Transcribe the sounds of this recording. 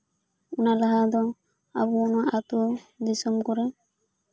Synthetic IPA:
ɔnalaɦad̪ɔ | a̰buɔnaʔat̪ud̪isɔmkɔɾɛ

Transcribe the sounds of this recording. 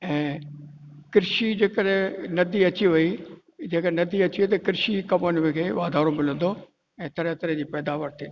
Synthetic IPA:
ɛ̃ː | kɪɾʃid͡ʑeːkəɾẽnɐd̪iɐt͡ɕiɦʊi | d͡ʑeːkənɐd̪iɐt͡ɕiɦit̪̬ɐkɪɾʃikɐmənmɪ̃kʰeːʋaːd̪ʱaːɾõmɪlə̃nd̪o | ɛ̃ːt̪ɐɾẽt̪ɐɾẽd͡ʑiːpɛːd̪aːʋəɾt̪ʰĩːn

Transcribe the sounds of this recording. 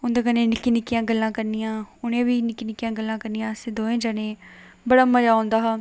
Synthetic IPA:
ʊnd̪aːkənẽːnɪkːiːnɪkːɪjãːɡəlːãːkəɾnijãːʊnẽːʋiːnɪkːiːnɪkːɪjãːɡəlːãːkəɾnijãːsɪd̪oːẽːd͡ʒaːnẽː | bəɽaːməd͡ʒaːõːnd̪aːɦaː

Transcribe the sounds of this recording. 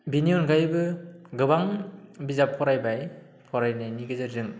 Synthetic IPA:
binijɔnɡajbɯɡɯbaŋbizapʰːɔɾajbaj | pʰɔɾajnɯniɡɯzɯɾzɯŋ

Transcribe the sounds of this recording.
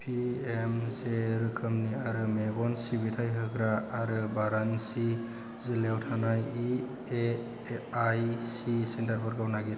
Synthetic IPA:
pʰiemseɾɯkʰɯmniaɾɯmebɔnsibitʰajɦɯkɾaːɾɯbaɾansi | zilewtʰanaji | e | ajsisentaɾbɯɾɡawnaɡiɾ

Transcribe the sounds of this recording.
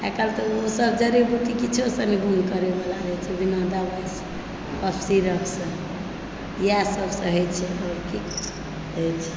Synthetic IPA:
ɛkəlt̪ɔosəbd͡ʒəɾibuʈikit͡ʃʰosəneɡuŋɡkəɾebalaɾət͡ʃʰɛbinad̪abəs | pəpʰsiɾəksə̃ | jasəbsə̃ɦəjt͡ʃʰɛɔɾkik | ɦəjt͡ʃʰɛ̥

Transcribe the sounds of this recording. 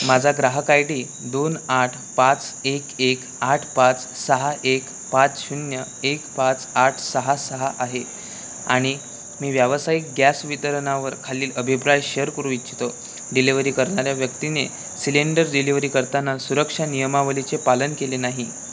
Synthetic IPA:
mad͡zʱaɡɾaɦəkajɽiː | d̪onaʈʰpat͡sekek | aʈʰpat͡s | səɦaʔek | pat͡sɕunjə | ekpat͡saʈʰsəɦasəɦaʔaɦe | a̰ɽ̃i | miːʋjaʋəsaik̚ɡjasʋit̪əɾəɳaʋəɾkʰaliːləbʱipɾajɕeəɾkəɾuitːt͡ɕʰi̥t̪o | ɖiliʋəɾiːkəɾɳaɾjaʋjəkt̪ine | sileɳɖəɾɖiliʋɾiːkəɾt̪anːasuɾəkʂanijəmaʋəlit͡sepalənkelenaɦi

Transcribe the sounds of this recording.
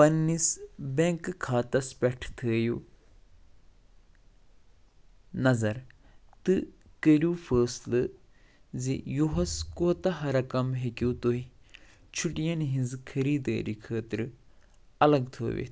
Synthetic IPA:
pɐnːisbeŋkɨkʰːaːt̪ɐspʲɛʈʰt̪ʰəːju | nɐzɐɾ | t̪ɨ | kəɾʲjuːfʰəːslɨ | zijoɦɐskoːt̪ɐɦɐɾɐkɐmɦekuːt̪oɦi | t͡ʃʰuʈijɐnɦĩnzɨkʰɐɾiːd̪ə̰ːɾikʰəːt̪ɾɨ | ɐlɐɡt̪ʰo̰ːʋḛ

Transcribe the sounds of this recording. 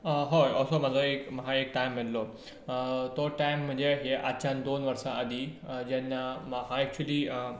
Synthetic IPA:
ɦoɔlsomad͡zoekməɦaekʈajmːello | t̪ɔʈajmːəd͡ʑeɦeʔat͡ɕãnd̪onʋəɾʂaəd̪ʱid͡ʑɛnːaməɦãɛk̚t͡ɕuəliː

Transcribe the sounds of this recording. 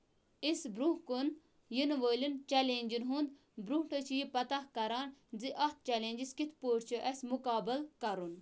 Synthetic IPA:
isbɾũkun | jinʋoːlʲint͡ʃɛleːnʲd͡ʒinɦund̪ | bɾuʈʰɐt͡ʃʰjipɐt̪ɐhkɐɾaːnd͡ziʔɐt̪̚t͡ʃɛlẽːnd͡ʒiskit̪ʰpoːʈʰt͡ʃʰoʔɛsmukaːbəlkɐɾun

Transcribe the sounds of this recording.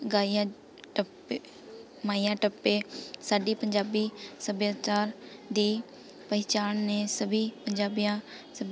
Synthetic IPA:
ɡaːiã | ʈəp | maːijãːʈəpːesaːɖiːpəɲd͡ʒaːbisəbjaːt͡ʃaːɾd̪iː | pəɪt͡ʃaːnnẽsəbʱiːpəɲd͡ʒaːbijã | səb

